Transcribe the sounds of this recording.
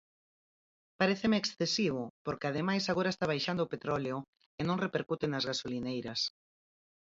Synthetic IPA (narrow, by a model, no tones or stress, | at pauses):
paɾeθemeːksθesiβʊpoɾkeaðemajsaɣoɾaest̪aβajʃand̪ʊːpet̪ɾɔleʊ | enõŋrepeɾkut̪enɐzɣasolinejɾɐs